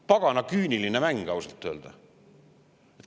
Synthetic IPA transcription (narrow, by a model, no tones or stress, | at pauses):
pɑɡ̥ɑnɑkyːnʲilinemæŋɡ̥ɑwsɑlt̪ːˑøːld̪̥ɑ | et̪